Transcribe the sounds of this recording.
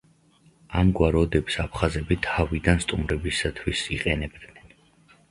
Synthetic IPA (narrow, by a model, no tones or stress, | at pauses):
amɡwaɾɔd̪ɛbi̥sapʰχazɛbit̪ʰavid̪anst̪ʼumɾɛbisat̪ʰwisiqʼɛnɛbd̪nɛn